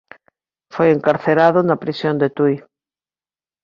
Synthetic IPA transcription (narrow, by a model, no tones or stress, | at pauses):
fojeŋkaɾθeɾaðʊnapɾisjond̪et̪uj